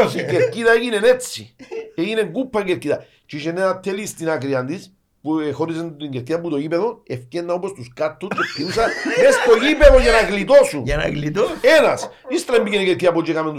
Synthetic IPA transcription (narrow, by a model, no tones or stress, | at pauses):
ikeɾkit̪aeɣinenet͡sieɣineŋkupːaŋkeɾkit̪a | t͡ʃiʃenːeat̪ʰːelist̪inakɾiand̪is | pexoɾis̬eneŋɡeɾkit̪amput̪ojipeðoefkenːaupwest̪uskaɾt̪ʰːut͡ʃefk̪ius̬anest̪ojipeðojanaɣlit̪osujana̰klit̪osenasist̪ɾambikinikeɾkit̪apod͡ʒekamend̪u